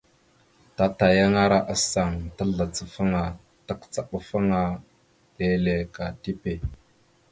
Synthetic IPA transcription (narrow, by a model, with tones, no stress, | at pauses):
ta˦ta˨ja˦ŋa˦ɾa˦ʔa˨sa˨ŋtə˦ɮa˨t͡sə˨fə˦ŋa˨ | ta˦kt͡sa˨ɓə˦fə˦ŋa˦ | le˨le˨ka˨ti˦pe˨